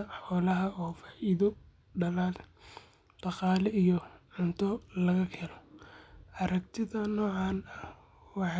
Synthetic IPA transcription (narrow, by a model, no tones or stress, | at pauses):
ɐħɔːlɐɦɐɔːfḁːʔiðɔ | ɖɐlaːl | d̪̥ɑqɑːlɛijɔʕʊnt̪ʰɔlɐɣɐkʰɛlɔ | ʔɐɾɐkt̪ʰɪðɐnɔːʕɑːnɐh | wɑħɑ